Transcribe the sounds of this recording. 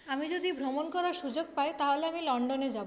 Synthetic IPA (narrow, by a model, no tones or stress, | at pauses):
amid͡ʑod̪ʱibʱɾomonkɔɾaʃud͡ʑoɡ̚paet̪aɦoleamilɔɳɖoned͡ʑabo